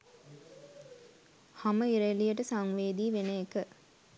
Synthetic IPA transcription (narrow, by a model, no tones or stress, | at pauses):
haməiɾelijəʈəsaŋʋeːd̪iːʋeneekə